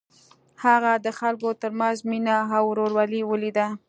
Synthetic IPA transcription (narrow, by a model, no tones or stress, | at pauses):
haɣad̪əxalkot̪əɾmanzminaawɾoɾwaliwəlid̪a